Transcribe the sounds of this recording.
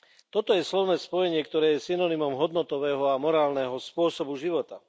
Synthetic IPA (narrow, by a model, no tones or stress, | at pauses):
t̪ɔt̪ɔjɛslɔʋnɛːspɔjɛɲɪɛkt̪ɔɾɛːjɛsinɔnimɔmɦɔd̪nɔt̪ɔʋɛːɦɔamɔɾaːlnɛɦɔspʊɔsɔbuʒiʋɔt̪a